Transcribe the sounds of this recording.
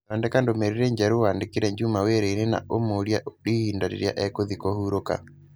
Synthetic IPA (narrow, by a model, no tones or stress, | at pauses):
andɛkandomɛɾiɾɛɲd͡ʒaɾowaːndekiɾɛɲd͡ʒumaweɾɛiɾena̰ʔomoɾjaoɾihiːndaɾḛɾja̰ʔɛkoðikɔhuɾoka̰